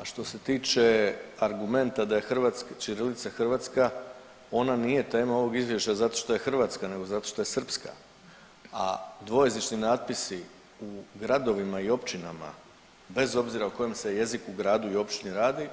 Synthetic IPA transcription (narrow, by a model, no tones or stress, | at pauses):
aʃt̪o̞se̞t̪iːt͡ʃe̞aɾɡume̞nt̪ad̪aje̞xr̩ʋat̪skat͡ʃiɾelit̪saxr̩ʋat̪ska | o̞nanije̞t̪e̞ːmao̞ʋo̞ɡizvʋje̞ʃt͡ɕazat̪o̞ʃt̪o̞je̞xr̩ʋaːt̪skane̞ɡo̞zat̪o̞ʃt̪o̞je̞sr̩pska̰ | a̰d̪ʋo̞je̞znit͡ʃninaːt̪̚pisi | uɡɾad̪o̞ʋimaio̞pt͡ʃinama̰ | be̞zo̞bziɾauko̞jemse̞je̞zikuɡɾaːd̪uio̞pt͡ʃiniɾaːd̪i